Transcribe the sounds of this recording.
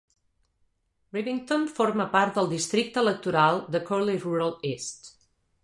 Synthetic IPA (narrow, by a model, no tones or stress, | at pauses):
riβiŋt̪õnfɔɾməpaɾt̪̚d̪əlˠd̪ist̪ɾik̚t̪əələk̚t̪uɾalˠd̪əkɔɾleʒruɾəlˠest̪